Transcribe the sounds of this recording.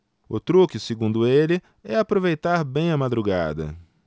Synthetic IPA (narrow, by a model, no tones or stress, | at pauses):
ʊt̪ɾukɪseɡũnd̪ʊelɪ | ɛapɾovejt̪aɾbẽj̃ɐmad̪ɾuɡa̰d̪ɐ̰